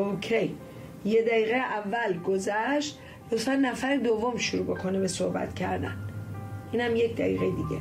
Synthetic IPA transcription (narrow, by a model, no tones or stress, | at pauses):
ocʰejː | ed̪æiːɣejʔævːælɡozæʃt̪ | jot̪fænːæfæɾed̪ovːomʃuɾuːbe̞kʰonebesohbæ̰t̪cʰæɾd̪æ̰nʔiːnhæmjecd̪æ̰ḭːɣejed̪iɟḛ